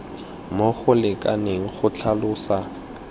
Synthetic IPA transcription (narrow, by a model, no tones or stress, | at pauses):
moχʊlɪkʼaneŋ̩χʊt͡ɬʰalʊːsa